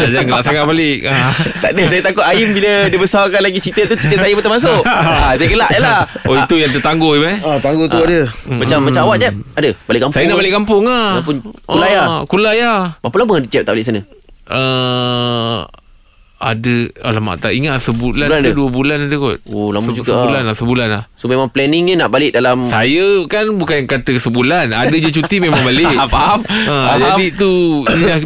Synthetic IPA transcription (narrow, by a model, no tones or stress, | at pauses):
ad͡ʒaŋɡəlaʔsaŋaʔbalɪʔat̪aʔdəsajət̪akʊt̪ajimbilədibəsawkanlaɡit͡ʃit̪ət̪ut͡ʃit̪əsajəmət̪əmas̬ʊʔasajəɡəlaʔjalaoit̪ujaŋt̪ət̪aŋɡoibaat̪aŋɡot̪uadəmat͡ʃamːat͡ʃamawaʔd͡ʒaʔadəbalɪʔkampsajənaʔbalɪʔkampʊŋaapʊnkulajakulajamapulaməŋadət͡ʃɛp̚t̪aʔbaɪiʔs̬anəʔə | a̰dəalama̰ʔt̪a̰ʔiŋat̪səbulanandduəbulanadəkɔt̪̚olamud͡ʒuɡaəbulanlasəbulanlahsomemãŋplɛniŋɲənaʔbalɪʔ̚dalamsajəkanbukankat̪əkəsəbulanadəd͡ʒat͡ʃut̪imẽmaŋbalɪpaaməd͡ʒadit̪uindah